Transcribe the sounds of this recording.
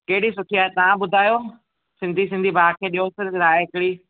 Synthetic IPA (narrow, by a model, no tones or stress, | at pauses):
kɐɦɪɽisʊʈʰiaːɦet̪ɐʋ̤ãɓʊd̪ʱaːjoː | sɪ̃nd̪ʱisɪ̃nd̪ʱibaːkʰeːɗiɦosɪɾɾaːeɦɪkɪɽiː